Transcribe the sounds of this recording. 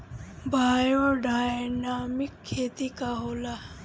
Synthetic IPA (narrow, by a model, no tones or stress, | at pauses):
bʱaːjoɖajnamikʰːeːt̪ikaɦola